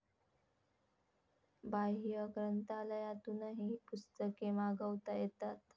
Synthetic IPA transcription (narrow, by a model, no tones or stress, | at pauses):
baɦijəkɾənt̪aləjãt̪unəɦipust̪əkemaɡəʋt̪ajet̪at̪